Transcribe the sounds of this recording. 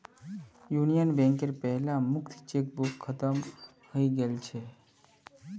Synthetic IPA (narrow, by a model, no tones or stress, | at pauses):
junijənbɛ̃ŋkeɾpɛɦlãmʊkt̪ʰt͡ʃek̚bukʰːət̪əm | həiɡelt͡ʃʰe